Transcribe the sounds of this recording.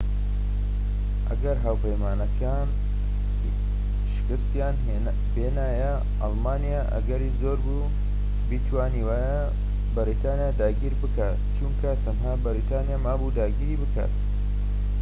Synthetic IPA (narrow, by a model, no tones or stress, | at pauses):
ʔɐɡɐɾɦaːwpɐjmaːnɐkʰaːn | ʃɪ̥kɨst̪jaːn | beːnaːjɐ | ʔɑlmaːnijaʔɐ̰ɡɐɾiːzoːɾbu | bit̪ʰwaːniːwaːja | bɨɾit̪aːnijaːd̪aːɡiːɾbɨkaːt̪t͡ʃuŋkʰɐt̪ʰɐmɦaːbɨɾit̪aːnijaːmaːbud̪aːɡiːɾiːbɨka̰ːt̪